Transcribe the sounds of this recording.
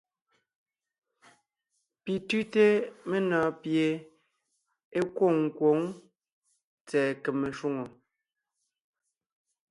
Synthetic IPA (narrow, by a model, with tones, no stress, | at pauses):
pi˨tʉ˦te˦me˦nɔː˨˦pje˨ | e˦kwo˦˨ŋŋ̩˨kwo˨˦ŋ | t͡sɛː˨ke˨me˨ʃwu˦ŋo˨